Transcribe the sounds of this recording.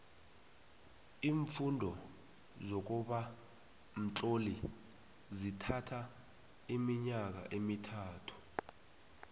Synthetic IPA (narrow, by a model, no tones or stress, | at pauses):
iːɱfundʱɔ | zok̬uɓa | m̩t͡ɬʼoli | zitʰatʰa | imiɲak̬a̰ʔemitʰaːtʰu̥